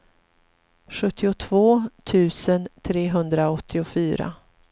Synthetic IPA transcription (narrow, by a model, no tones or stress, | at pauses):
ɧɵt̪ːɪʊt̪ʰvoːt̪ʰʉ̟ːsənt̪ʰɾeːɦɵnd̪ɾaɔt̪ʰːɪʊfyːɾa̰